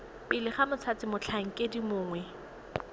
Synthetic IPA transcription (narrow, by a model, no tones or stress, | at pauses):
pʼɪlɪχamʊt͡sʰat͡sɪmʊt͡ɬʰaŋ̩kʼedimʊːŋwɛ